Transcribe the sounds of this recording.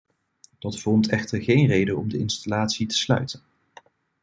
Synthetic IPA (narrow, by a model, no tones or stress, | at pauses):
d̥ɑtfɔɹmtɛχtəɹχejnrejdənɔmdəɪnstalaːtsitə̥slœ̰ɥtən